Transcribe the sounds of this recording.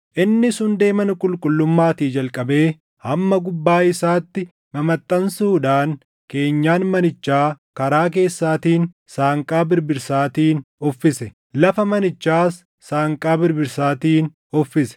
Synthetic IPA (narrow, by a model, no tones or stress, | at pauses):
ʔɪnːɪsʊnd̪e̞ːmɐnʊkʼʊlkʼʊlːʊmːaːt̪iːd͡ʒɐlkʼɐbe̞ː | hɐmːɐɡʊbːaːɪsaːt̪ːɪ | mɐmɐt̪ʼːɐnsuːᶑaːn | ke̞ːɲːaːnmɐnɪt͡ʃːaː | kɐɾaːk̬e̞ːsːaːt̪iːn | saːŋkʼaːbɪɾbɪɾsaːt̪iːnɔfːɪsɛ | lɐfɐmɐnɪt͡ʃːaːsː | aːŋkʼaːbɪɾbɪɾsaːt̪iːn | ɔfːɪsɛ̥